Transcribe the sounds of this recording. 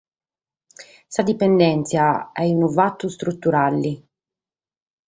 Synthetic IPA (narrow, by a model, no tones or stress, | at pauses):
sad̪ipɛnd̪ɛnt̪sjaɛunuvat̪ːust̪ɾut̪ːuɾalːi